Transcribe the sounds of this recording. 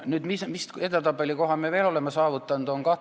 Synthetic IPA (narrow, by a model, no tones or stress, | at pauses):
nyːd̪mismiset̪æt̪ɑbelʲːiko̞ɦɑmeʋeːlo̞lemːɑsɑːvut̪ːˑɑnd̪̥o̞ŋkɑ